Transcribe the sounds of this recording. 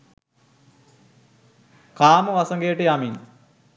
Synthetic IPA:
kaːməʋasɐŋɡejəʈəjamin

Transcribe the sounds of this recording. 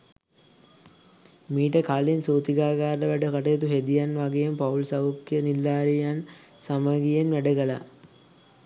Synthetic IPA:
miːʈəkaːlinsoːt̪iɡaːɡaːɾəʋæɖəkɐʈəjet̪uɦed̪ijanʋaɡejempaulsɐukːijənilːaːɾijan | saməɡijenʋæɖəɡəla̰

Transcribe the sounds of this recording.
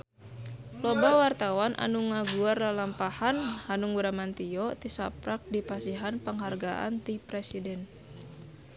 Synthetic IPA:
lɔbawart̪awanʔa̰nuŋaɡuarlalampahanhanuŋuɾamant̪iɔt̪isapɾak̚dipasiɦanpəŋɦarɡaʔa̰nt̪ipɾɛsidɛn

